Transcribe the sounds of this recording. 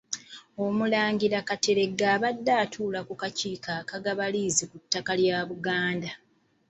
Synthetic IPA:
o̞mulaːŋɡiɾakate̞ɾe̞ɡaːβadːaːtʰuːlakukaciːkakaɡaβaliːzikutːakaljaːβuɡaːnda

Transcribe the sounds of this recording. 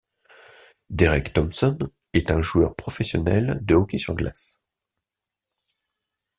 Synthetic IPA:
d̪eʁɛkt̪ɔmsɔn | ɛt̪ɛ̃ʒuœʁpχɔfɛsjɔnɛld̪əɔkʲesyʁɡla̰s

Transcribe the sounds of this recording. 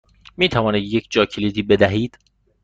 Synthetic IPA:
miːt̪ʰævɒːniːd̪jecʰd͡ʒɒːcʰelid̪iːbe̞d̪æɦiːd̪̥

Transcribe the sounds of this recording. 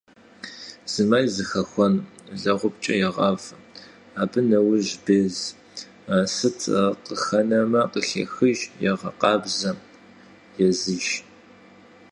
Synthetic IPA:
z̥ɨmaːjzɨxɐxʷɔnɮɐʁʷʊpt͡ʃʼɐjɛʁɐv | aːbɨnɐwʊʑbeːz | aːsɨtʰqəxɐnɐmɐqəɬɐ̰xɨʒjɛʁɐ̰qɑːbzɐ | jɛzɨʒ

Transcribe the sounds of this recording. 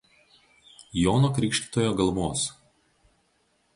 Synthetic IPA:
joːnoːkɾʲɪːˑkʃʲt̪ʲi̥t̪oːjoːɡɐlˠmoːs

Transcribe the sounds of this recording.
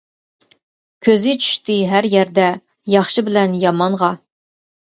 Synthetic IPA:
kʲʰøzɪt͡ʃʰy̥ʃt̪ɪɦæɾjæɾd̪ɛ | jɑχʃɨbɪlɛnjɑmɑnʁɑ

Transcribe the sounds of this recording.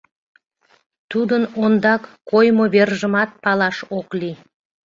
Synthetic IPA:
t̪ud̪ənond̪ɑkːojmoβerʒəmɑt̪̚pɑlɑʃokli

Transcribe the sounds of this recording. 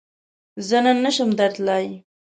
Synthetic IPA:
zənanəʃəmd̪aɾt̪lɑj

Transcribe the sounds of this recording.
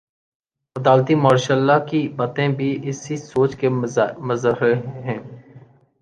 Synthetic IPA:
fəd̪aːlt̪imɔːɾʃalːakibaːt̪ẽbʱiʔɪsisoːt͡ʃkemɐzəɾəɦɛ̃ː

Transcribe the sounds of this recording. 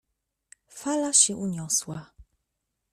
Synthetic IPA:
falaɕɛʔuɲɔswa

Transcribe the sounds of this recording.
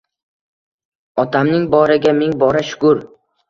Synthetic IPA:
ɒt̪ʰamnɪŋbɒɾɪɡʲamɪŋbɒɾaʃʊ̥kʊɾ

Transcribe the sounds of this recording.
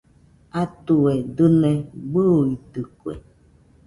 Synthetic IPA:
at̪uedɨnẽɡ͡buit̪ɨkwḛ

